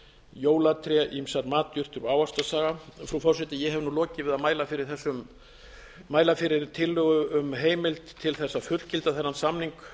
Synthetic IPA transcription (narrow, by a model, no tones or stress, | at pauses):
joːwlat̪ʰɾɛʔimsaɾmaːt̪jʏr̥t̪ʏɾaːwast̪asaːɣafɾufɔr̥sɛt̪ɪjɛɦɛvnulɔːcɪvɪðaðmaːjlafɪɾɪɾ̥θɛsːʏmː | aːjlafɪɾɪɾt̪ʰɪlːʏɣʏʏmɦeːjmɪlt̪ʰːɪlθɛsːafʏl̥cɪlt̪aθɛnːansamniŋk